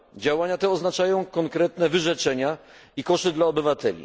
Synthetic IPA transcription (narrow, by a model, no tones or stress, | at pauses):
d͡ʑawaɲat̪ɛɔznat͡ʂajɔ̃w̃kɔŋkɾɛt̪nɛvɘʐɛt͡ʂɛɲaikɔʂɘd̪laɔbɘvat̪ɛ̰lʲḭ